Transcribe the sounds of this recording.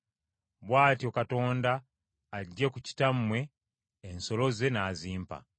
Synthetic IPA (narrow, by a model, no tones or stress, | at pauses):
βwaːtio̞kato̞ːndaː | ɟːekuci̥tamːwe̞ː | nso̞lo̞ze̞naːziːmpa̰